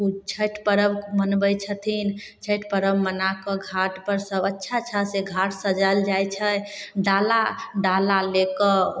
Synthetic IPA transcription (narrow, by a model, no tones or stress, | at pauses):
ut͡ʃʰəʈpəɾəbmənbəjt͡ʃʰət̪ʰin | t͡ʃʰəʈpəɾəbmənakəɡʱaʈpəɾsəbətːʃʰat͡ʃʰaseɡʱaʈʰsəd͡ʒəld͡ʒajt͡ʃʰəɖalaɖalalekə